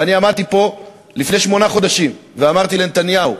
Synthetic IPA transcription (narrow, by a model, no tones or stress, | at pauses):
aniamaʁt̪ipo̞ | lifne̞ʃmo̞naχo̞d̪aʃimveamaʁt̪ilenet̪anjahu